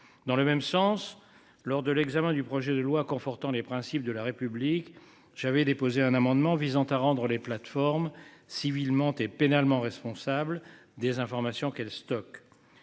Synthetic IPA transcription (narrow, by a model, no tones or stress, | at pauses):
d̪ɑ̃ləmɛmsɑ̃s | lɔʁd̪əlɛɡzamɛ̃d̪ypχɔʒɛd̪əlwakɔ̃fɔʁt̪ɑ̃lepχɛ̃sip̚d̪əlaʁepyblik | ʒ̥avɛd̪epozeɛ̃namɑ̃d̪mɑ̃vizɑ̃t̪aʁɑ̃d̪ʁəleplat̪fɔʁmsivilmɑ̃t̪epenalmɑ̃ʁɛspɔ̃sabld̪ezɛ̃fɔʁmasjɔ̃kɛlst̪ɔk